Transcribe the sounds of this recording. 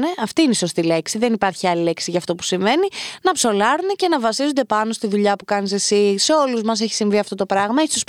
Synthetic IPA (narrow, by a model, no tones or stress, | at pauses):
neɐft̪iineiso̞st̪ile̞ksiðe̞nipɐɾçiɐlile̞ksiʝɐft̪o̞pu̥siɱve̞ninɐpso̞lɐɾunece̞nɐvɐsizond̪e̞pɐno̞st̪iðuʎɐpukɐnis̬esise̞o̞luzmɐs̬eçi̥siɱviɐft̪o̞t̪opɾɐɣmɐeçsos